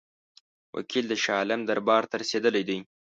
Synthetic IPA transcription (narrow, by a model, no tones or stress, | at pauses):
wʔa̰kʰild̪əʃɑːlɪmd̪aɾbɑːɾt̪əɾased̪əlajd̪aj